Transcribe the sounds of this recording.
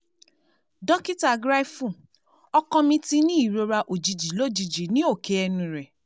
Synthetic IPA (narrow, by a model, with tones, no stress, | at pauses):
dɔ˦ki˦ta˨ɡɾa˦i˦fũ˦˨ | ɔ˧kɔ̃˧mĩ˧ti˧nĩ˦i˦˨ɾo˧ɾa˧ʔo˨d͡ʒi˨d͡ʒi˨˦lo˦˨d͡ʒi˧d͡ʒi˨˦nĩ˦o˦˨ke˧˦ɛ˧nũ˧ɾɛ˨